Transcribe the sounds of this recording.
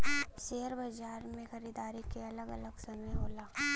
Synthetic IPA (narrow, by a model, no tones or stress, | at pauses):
ʃeːɦəɾbɐd͡ʒaːɾmẽxɐɾiːd̪aːɾikeɐləɡɐ̰ləɡsɐməjɦoːlaː